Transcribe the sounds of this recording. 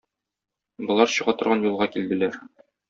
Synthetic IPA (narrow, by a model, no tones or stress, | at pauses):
bŏlˠɑɾɕɤ̆ʁɑt̪ɤ̆ɾʁɑnjulˠʁɑkild̪ɘ̆læɾ